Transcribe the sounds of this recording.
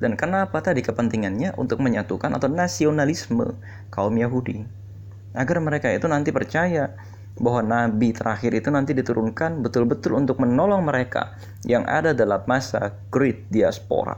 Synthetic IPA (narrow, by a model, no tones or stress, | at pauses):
dankənapat̪adikəpənt̪iŋanɲaʔṵnt̪ʊk̚məɲat̪ukanʔa̰t̪awnasionalismə̰ | kaumjaɦudi | ʔaɡarməɾekait̪unant̪ipərt͡ʃaja | baɦwanabit̪əɾaxɪɾit̪unant̪idit̪uɾunkanbət̪ʊlbət̪ʊlunt̪ʊk̚mənɔlɔŋməɾeka̰ | jaŋʔa̰dadalamːasaɡɾit̪̚diaspo̰ɾa̰